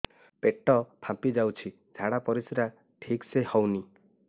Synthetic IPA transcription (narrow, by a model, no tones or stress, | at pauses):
peʈɔpʰapid͡ʒawt͡ʃʰi | d͡ʒʱaɽapɔɾisiɾa | ʈʰiksehɔwni